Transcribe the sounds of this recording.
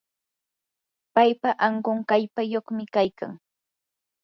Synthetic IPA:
pajpaʔaɴɢoŋkaʎpajoχmɪkajka̰ŋ

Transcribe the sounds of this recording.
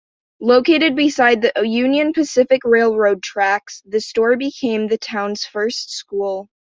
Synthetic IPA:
loʊkeɪɾɨd̚bɨsaɪd̪̚ðiʔjʉ̃njɨ̃npʰɨsɪfɨkɹeɪlˠɹoʊd̚tʰɹ̥æksðɨstɔɹbɨkʰẽɪ̃mðɨtʰãʊ̃nz̥fɜ˞stskulˠ

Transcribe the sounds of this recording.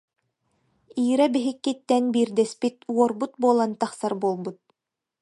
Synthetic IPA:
iːɾɛbiɦikːit̪ːɛnbiːɾd̪ɛspit̪uɔɾbut̪̚buɔlˠant̪ɑχsaɾbuɔlˠbut̪̚

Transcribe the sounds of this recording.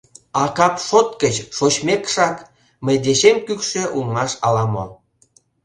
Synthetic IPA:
ɑkɑpʃot̪kət͡ɕʃot͡ɕmekʃɑk | məjd̪eɕemkykʃĕʔulŋɑʃɑlɑmo̰

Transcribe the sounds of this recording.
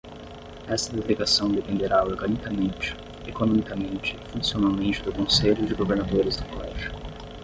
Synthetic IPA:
ɛst̪ɐd̪eleɡasɐ̃w̃d̪epẽnd̪eɾaoɾɡɐnikɐmẽnt͡ʃɪ̥ | ekonõmikɐmẽnt͡ʃɪfũsionawmẽnt͡ʃɪd̪ʊkõseʎʊd͡ʒɪɡoveɾnad̪oɾɪzd̪ʊkolɛʒʊʊ

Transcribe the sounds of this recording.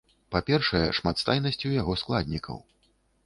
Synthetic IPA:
papʲɛrʂɐjɛ̰ʂmat̪st̪ajnɐsʲt͡sʲujaɣɔsklˠad̪ʲnʲikʰɐ̰w

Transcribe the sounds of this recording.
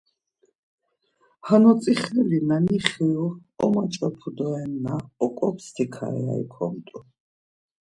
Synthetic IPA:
hanɔt̪t͡s̪ʼiχɛlinaniχiɔɔmat͡ʃʼɔpʰud̪ɔɛnːaɔkʼɔpʰst̪ʰikʰa̰ɛa̰ḭkʰɔmt̪ʼu

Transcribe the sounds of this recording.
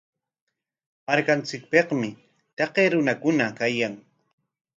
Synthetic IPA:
maɾkant͡sɪk̚peqmɪ | t̪eqeːɾʊnakʊnakajaŋ

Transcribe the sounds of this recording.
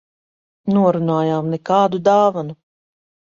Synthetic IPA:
nuɔɾunaːjaːmnɛkaːd̪ud̪aːvanu

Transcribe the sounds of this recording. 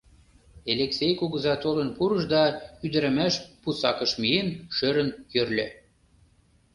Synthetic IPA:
elʲeksejkuɣə̆zɑt̪olə̆npuɾəʃd̪ɑyd̪ə̆ɾɘ̆mæʃpusɑkɤ̆ʃmienʃøɾə̆njørlʲø̆

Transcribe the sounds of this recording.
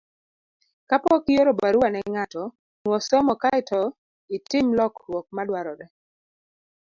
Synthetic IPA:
kapɔkijoɾobaɾuwanɛŋatɔ | nwɔsɔmɔkaɪtʰɔ | ɪtɪmlɔkwɔk̚madwaɾɔɾɛ

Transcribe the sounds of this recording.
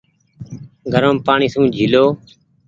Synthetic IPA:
ɡʱəɾəmpaːɳiːsũːd͡ʒʱiːloː

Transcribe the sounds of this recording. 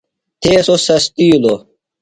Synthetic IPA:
t̪ʰeːsosɐst̪iːlo

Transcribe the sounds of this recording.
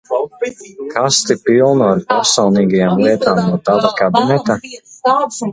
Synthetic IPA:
kʰast̪ipilˠnuaɾpɛɾsɔwniːɡajamlˠiɛt̪aːmnuɔt̪avakabinɛt̪a

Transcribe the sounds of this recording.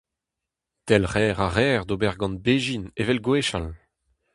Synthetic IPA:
t̪ɛlʁɛːʁaʁɛːʁd̪obɛʁɡɑ̃nbeːʒinevɛlɡweːʃal

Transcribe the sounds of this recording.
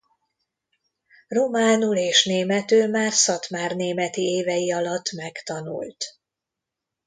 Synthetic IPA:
romaːnuleːʃneːmɛt̪øːmaːrsɒt̪maːrneːmɛt̪ieːvɛjiɒlɒt̪ːmɛkt̪ɒnṵlt̪

